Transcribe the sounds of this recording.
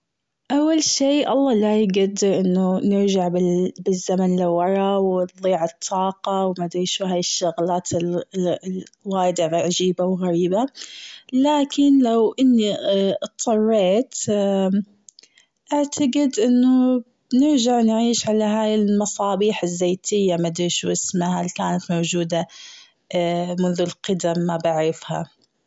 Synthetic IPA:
ʔawːalʃiːʔɑlˤːɑːlajɡad̪ɪɾʔɪnːʊnɪɾd͡ʒaʕbɪbɪzːamanliwːɑɾˤɑwɪðˤːiːʕɨt̪ˤʰːɑːqɑwmad̪ʕiːʃuːɦaːjɪʃːʊɣlaːt̪ʰɪ | waːjd̪ɪʕʕad͡ʒiːbawɣaɾiːba | laːkɪnlawʔɪnːit̪ˤːɑrˤːeːt̪ | ʔaʕt̪ʰaɡɪd̪ʔɪnːʊ | nɪɾʒaʕnʕiːʃʕalaɦaːjɪlmɑsˤɑːbiːħɪzːeːt̪ʰɪjːamad̪ʕiːʃuʔɪsmahalkaːnat̪mawd͡ʒuːd̪a | mʊnðʊlqɑd̪amːabɪʕɾɪfha̰

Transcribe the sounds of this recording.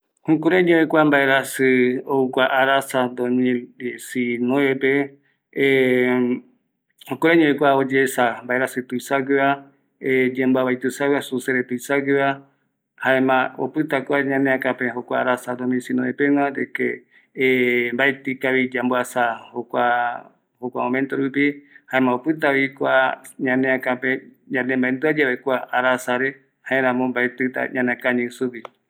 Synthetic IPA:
hũkuɾeɲõekʷambaeɾasɨoukʷaʔaɾasand̪omĩsinõepe | hõkuɾeɲõekʷaod͡ʒesambaeɾasɨt̪uisaɡɨβa | ed͡ʒẽmbaβajt̪ɨsawɨasuseɾet̪uisaɡɨβa | haemão̰pɨt̪akʷaɲãneãkãpẽɦokʷaaɾasad̪omĩsinõepeŋãɾeke | mbaet̪ikaβid͡ʒamboasahokʷa | hokʷa̰õmẽnt̪oɾupihaemãopɨt̪aβikʷaɲãnẽãkãpẽ | ɲãnẽmbaend̪ɨad͡ʒaβekʷaaɾasaɾe | haẽɾãmõmbaet̪ɨt̪a̰ɲãnẽkãɲĩsupi

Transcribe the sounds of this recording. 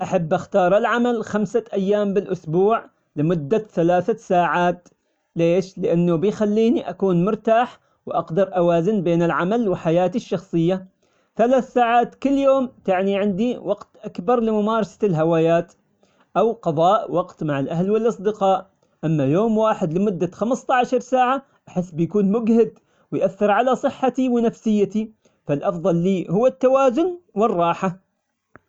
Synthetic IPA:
ʔaħabːʔaxt̪ɑːɾˤɪlʕamalxamsaʔajːaːmbɪlʔʊsbuːʕ | lɪmʊd̪ːaθalaːθasaːʕaːt̪ | leːʃlɪʔanːʊbɪjxalːiːniʔakuːnmʊɾt̪aːħ | wʔɑqd̪ɑɾˤʔawaːzɪnbeːnɪlʕamalwɪħajaːt̪ɪʃːɑxsˤɨjːa | θalaːθsaːʕaːt̪kɪlːjoːmt̪aʕniʕɪnd̪iwɑqt̪ʔakbɑɾˤlɪmʊmaːɾˤɑsḁlɦawaːjaːt̪ | ʔawqɑðˤɑːʔwɑɡt̪maʕaɪlʔahlwɪlʔɑsˤd̪ɪqɑːʔ | ʔamːajoːmwaːħɪd̪lɪmʊd̪ːaxamst̪aʕaʃɑɾˤsaːʕa | ʔaħɪsːbɪjkuːnmʊɡhɪd̪ | wɪjʔaθːɪɾʕalasˤɨħːat̪iwɪnafsɪjːat̪i | falʔɑfðˤɑlːiːhʊwːat̪ːawaːzʊnwɪrˤːɑːħa

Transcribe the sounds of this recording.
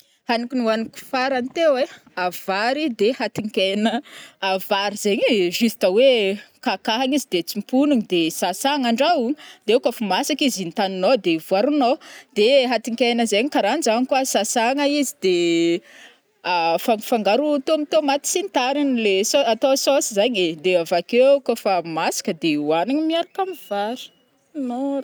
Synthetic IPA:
hanikʲinuaniku̥faɾant̪eweav̥aɾid̪ehat̪iŋkʲenəavaɾizeɲiʒist̪əwekakaɦaɲizid̪et͡simpunuɲid̪esasaŋaɳɖ͡ʐawd̪̥eukʲəfumasakizint̪aninod̪evuaɾunod̪̥eɦat̪ikʲajnəzeɲikaɾand͡zankuəsasaŋaizid̪e | afaŋfaŋɡaɾut̪omit̪omat̪i̥sint̪aɾinlesoat̪ososizaɲed̪eavakekofamasi̥kəd̪ewaniɲimiaɾakamivaɾi̥ | noɾ

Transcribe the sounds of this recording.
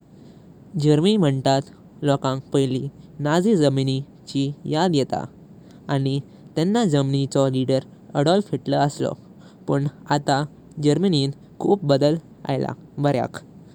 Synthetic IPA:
d͡ʑəɾmim̤əɳt̪at̪ | lɔkãŋk̚pəjlinad͡zid͡zəmini | t͡ɕijad̪jɛt̪a̰ | aɽ̃i | t̪ɛnːad͡zəmnit͡sɔliɽəɾ | əɽɔlfeʈləəslɔ̰ | pəɳat̪a | d͡ʑəɾməniːn | kʰuːp̚bəd̪əl | a̰jla̰bəɾja̰k

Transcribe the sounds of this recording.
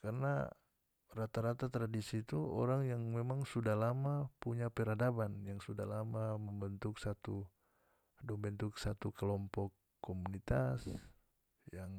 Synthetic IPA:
karna̰ | rat̪aɾat̪at̪ɾadisit̪uo̰ɾaŋjaŋmemaŋsudahlamapuɲapɛɾadabanjaŋsudalamaməmbənt̪ʊksat̪u | dɔmbənt̪uksat̪ukəlɔmpɔkː | omunit̪as | jaŋ

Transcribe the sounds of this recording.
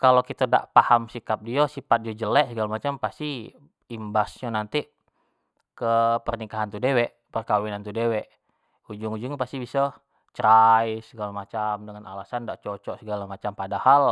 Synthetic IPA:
kalokit̪əda̰ʔpahamsikap̚diasipat̪̚diad͡ʒəlɛʔsəɡalamat͡ʃampast̪i | imbasɲanant̪i | kəpərnikaɦant̪udewɛʔ | pərkawinant̪udewɛʔ | ud͡ʒuŋud͡ʒuŋpast̪ibisɔ | t͡ʃɾajsəɡalamat͡ʃamdəŋana̰lasandaʔt͡ʃɔt͡ʃɔʔsəɡalamat͡ʃampadahal

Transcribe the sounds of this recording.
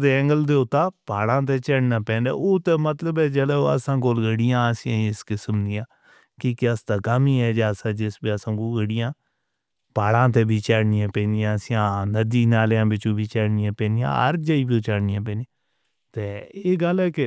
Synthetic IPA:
d̪eɛ̃ŋɡəld̪eːʊt̪ːaːpaːlãːt̪eːt͡ʃɛːɽnaːpɛ̃ːnd̪a̰ːoːt̪eːmət̪ləbɛːd͡ʒəleːə̰sãːkoːlɡəɽɪjãːəsĩãɪskɪsəmniːãː | kiːkɪəst̪aːkamiːɛːd͡ʒaːsãːd͡ʒɪsbiːəsãːkoːlɡəɽɪjãː | paːlãːt̪eːbʱiːt͡ʃɛːɽnɪjãːpɛ̃ːnd̪ijãːəsiãːnəd̪iːnaːljãːbɪt͡ʃõːbiːt͡ʃɛːɽnɪjãːpɛ̃ːnd̪ijã̰ːə̰ɾd͡ʒəiːbiːt͡ʃaːɽnɪjãːpɛ̃ːnijã | t̪eːeːɡəlɛːkɪ

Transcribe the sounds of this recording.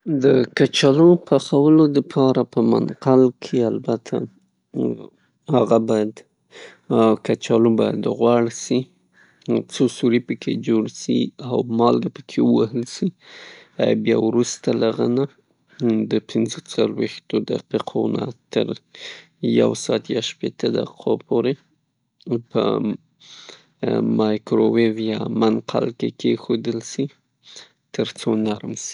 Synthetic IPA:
d̪əkat͡ʃɑlopʰaxawəlod̪əpʰɑɾapəma̰nqalkʰealbat̪ʰa̰ | haɣabɑjad̪ | kat͡ʃɑlobɑja̰d̪ɣwɑɽsi | t͡sosuɾipəkʰḛd͡ʒoɽsḭawmɑlɡapəkʰewəwahəlsi | abjɑwɾust̪alaɣana | d̪əpʰɪnzət͡salwext̪od̪aqiqʰona̰t̪əɾ | ja̰wsɑːt̪jɑʃpet̪əd̪a̰qʰopʰoɾe | pə̰ | mɑjkɾowevjɑmanqʰa̰lkekʰexod̪əlsi | t̪əɾt͡sonaɾmsi̥

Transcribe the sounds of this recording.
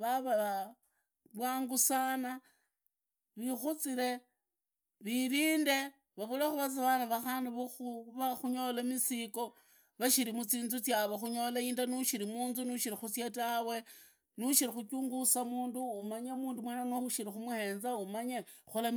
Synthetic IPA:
βaβaβa | βwaːŋɡusana | βixut͡sile̞ | βiɾiːnde̞ | βaβulaxuβat͡siβanaβaxaːndiβuxuβaxuɲo̞lamisiko̞ | βaʃiɾimut͡siːnzut͡sjaβoxuɲo̞laiːndanuʃiɾimuːnzunuʃiɾixut͡sjatawe̞ | nuʃiɾixut͡ʃuːŋɡusamuːnduːmaɲamuːndumwenanwoxuʃiɾixumuheːnzaumaɲexula

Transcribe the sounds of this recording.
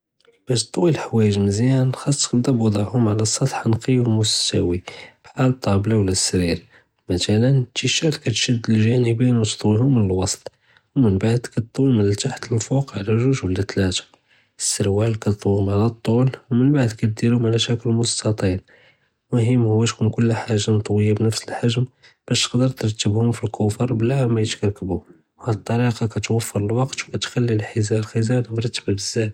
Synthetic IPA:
b̥æʃt̪ˤːwilħwæjəʒməzjænxɑsˤːkəd̪ˤæbwɑd̪ˤɑʕhʊmʕlæsˤːɑt̪ħanqiwmʊst̪ːæwib̥ħalt̪ˤːɑblawlæsːɾiɾ | mæt̪ælənt̪iʃælkæt̪ʃəd̪ːəlʒænəbinwt̪t̪ˤwihʊmːənəlwɑsˤt̪ˤ | wmənbaʕd̪kæt̪t̪ˤwimənlt̪aħt̪əlfuqʕlæʒʊʒwlæt̪læt̪ḁ | əsːəɾwælkæt̪t̪ˤwimʕalæt̪ˤːulwmənbaʕd̪kæt̪̚d̪iɾumʕalæʃækəlmʊst̪ɑt̪ˤin | mʊhəmːhʊwːæʃkunkʊlːħaʒːant̪ˤwəjːabnəfsəlħaʒm | b̥æʃt̪ə̥qd̪əɾˤt̪əɾˤt̪ːəbhʊmfilkʊfɑɾˤblæʕmæjət̪kɑɾˤkəbu | whæd̪ət̪ˤːɑɾiqɑkæt̪wəfːəɾˤəlwɑqt̪wkæt̪xælːilħəzælxəzælbɾˤɑt̪ːəbbəzːæt̪

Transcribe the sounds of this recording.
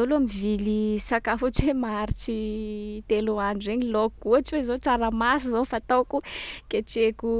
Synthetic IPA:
oluamivilisakafuʈ͡ʂwemaɾit͡sit̪eluanzeɲilokːuaʈ͡ʂwezot͡saɾamasuzofat̪okukeʈ͡ʂeku

